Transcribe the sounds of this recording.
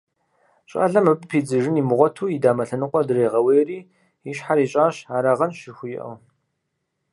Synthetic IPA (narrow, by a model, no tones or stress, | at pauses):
ɕʼa̰ːɮɐmɨbpʰiːd͡zɨʒɪniːmʊʁʷɔtʰuːidaːmɐɬɐnɨqʷʼɔdɨreːʁɐweːjriː | iɕħaɾiːɕʼaːɕaːɾaːʁɐnʃɪrxʷʊjɪʔɐ̰w